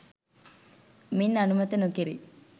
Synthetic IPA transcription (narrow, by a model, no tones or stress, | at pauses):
minːanumɐt̪ənokiɾi